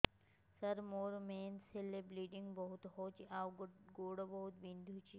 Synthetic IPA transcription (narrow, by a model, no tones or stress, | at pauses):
sɐɾmoːɾmeːnselebɾiːɖiŋɡbɐɦut̪ɦoːt͡ʃiʔaːwɡoːɽobɐɦut̪bĩnd̪ʱut͡ʃi